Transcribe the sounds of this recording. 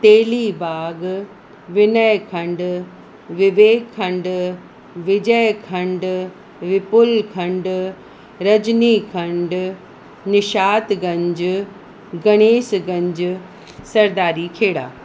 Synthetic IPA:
t̪eːlibaːɡ | ʋɪnəjkʰɐ̃ɳɖ | ʋɪʋeːkkʰːɐ̃ɳɖ | ʋɪd͡ʑəjkʰɐ̃ɳɖ | ʋɪpʊlkʰɐ̃ɳɖ | ɾɐd͡ʑnikʰɐ̃ɳɖ | nɪʃaːt̪ɡɐ̃ɲd͡ʑ | ɡɐɽ̃eːsɡɐ̃ɲd͡ʑ | sɐɾd̪aːɾikʰeːɽa̰ː

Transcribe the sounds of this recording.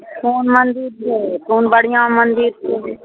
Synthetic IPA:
kuːnmənd̪iːɾekuːnbəɽ̤ɪjãːmənd̪iːɾi

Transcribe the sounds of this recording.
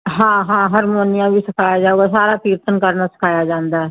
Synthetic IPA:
ɦãːɦãːɦəɾmoːnɪjãbʱisəkʰaːjad͡ʒaːuɡasaːɾapiːɾt̪ənkəɾnasə̥kʰaːjad͡ʒãːnd̪aɛ

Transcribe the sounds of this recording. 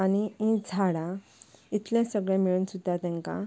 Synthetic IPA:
aniĩd͡zʱaɽa | it̪ljãsəɡɭjɛ̃miɭuːnsud̪ʱːat̪ɛ̃ŋkã̰

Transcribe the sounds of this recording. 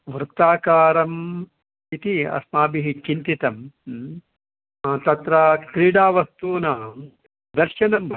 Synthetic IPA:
ʋɾt̪aːkaːɾɐm | it̪iɐ̰smaːbiɦikːint̪it̪ɐm | t̪ɐt̪ɾakɾiːɽaːʋɐst̪uːnɐː | d̪ɐɾʃɐnɐmbɐ

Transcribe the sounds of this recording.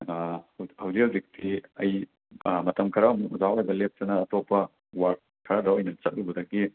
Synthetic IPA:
hɐwzihɐwzik̚tʰiɐj | mɐtɐmkʰɐɾamuuzawajbɐlep̚tɐnɐːtopːɐ | waɾk̚ | kʰːɐɾadɐojnɐt͡ʃɐt̚lubɐdɐki

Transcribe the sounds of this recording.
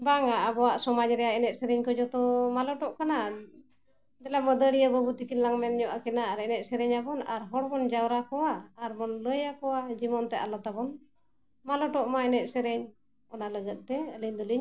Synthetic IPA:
baŋaʔabɔwaʔsɔmad͡ʒɾɛjaɛnɛʔ̪sɛɾɛɲkɔd͡ʒɔt̪ɔmalɔʈɔʔkana | d̪ɛlaməd̪əɽiəbɔbut̪ikillaŋmɛnɲɔʔakɛnaaɾɛnɛt̪̚sɛɾɛɲabɔnaɾɦɔɽbɔnd͡ʒawɾakɔwaːɾmɔnləjakɔwad͡ʒimɔnt̪ɛalɔt̪abɔn | malɔʈɔʔmaɛnɛt̪̚sɛɾɛɲ | ɔnaləɡət̪̚ˀt̪ɛəliɲd̪uliɲ

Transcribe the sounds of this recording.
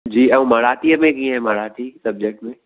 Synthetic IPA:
d͡ʒiːɐũmɐɾaːʈ̪iəmẽkĩɦɛ̃mɐɾaːʈ̪isɐb̚d͡ʒek̚ʈmẽ

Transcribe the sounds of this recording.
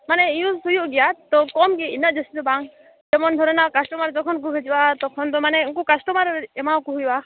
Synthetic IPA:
maneijusujuʔɡijat̪ɔkɔmkeinɔʔd͡ʒesit̪ubaŋ | d͡ʒemɔnd̪ʱɔɾɔnakasʈɔmaɾd͡ʒɔkʰɔnk̬uɦʰed͡ʒibat̪ɔkʰɔnd̪ɔmaneuŋkukasʈɔmaɾemawkuɦujba

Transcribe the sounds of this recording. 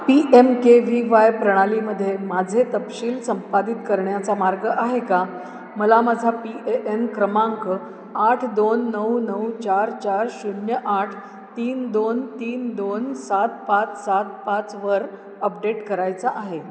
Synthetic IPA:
piʔemkeʋiʋajpɾəɽ̃aliməd̪ʱːjemad͡zʱet̪əpɕiːlsəmpad̪it̪kəɾɳjat͡samaɾɡəʔaɦeka | məlamad͡zʱapieʔemkɾəmãŋkə | aʈʰd̪onːəwnəwt͡ɕaɾt͡ɕaɾsunjəʔaʈʰ | t̪iːnd̪ont̪iːnd̪onsat̪̚pat̪sat̪̚pat͡sʋəɾ | əp̚ɖeʈkəɾajt͡saʔaɦe

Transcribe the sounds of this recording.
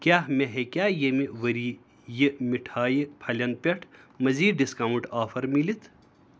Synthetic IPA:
kʲjaːɦmeɦekjaːjemiʋɐɾiː | jimiʈʰaːjipʰɐlʲjɐnpʲɐʈʰmɐziːɖiskɐːwɳʈaːfʰɐɾmilit̪ʰ

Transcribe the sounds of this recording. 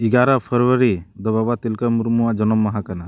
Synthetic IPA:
iɡaɾapʰəɾwəɾid̪ɔbabat̪ilkəmuɾmuwaʔd͡ʒɔnɔmːaɦakana

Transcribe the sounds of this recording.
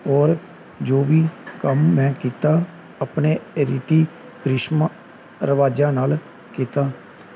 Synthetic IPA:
ɔːɾ | d͡ʒoːʋiːkəmːɛ̃ːkiːt̪aː | əpneːɾiːt̪iː | ɾɪʃma | ɾəʋaːd͡ʒãːnaːl | kiːt̪aː

